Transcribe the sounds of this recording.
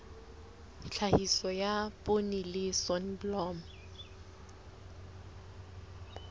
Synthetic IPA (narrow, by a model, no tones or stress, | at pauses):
t͡ɬʰahisɔjaponilɪsɔnblɔːm